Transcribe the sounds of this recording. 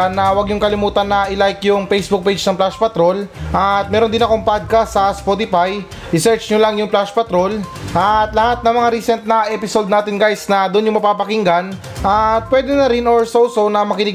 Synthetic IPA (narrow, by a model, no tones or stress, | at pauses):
anːɐwɐɡɲʊŋkɐlɪmuːt̪ɐnːɐʔɪlajkjʊŋpɛjsbʊk̚pejd͡ʒnɐŋplaʃpɐt̪ɾo̞lʔɐt̪̚mɛːɾond̪ɪnɐkʊmpad̪̚kɐsɐspot̪ɪfaj | ɾɪsɛɹt͡ʃɲʊlɐŋjʊŋplaʃpɐt̪ɾo̞lʔɐt̪lɐhat̪̚nɐŋmɐŋaɾisɛnt̪̚nɐʔɛpɪsod̪naːt̪ɪnɡajsnɐd̪ʊʔnjʊŋmɐpaːpɐkɪŋɡɐn | ʔɐt̪̚pwɛːd̪ɛnɐɾɪnoɹsowsonɐmɐkɪnɪ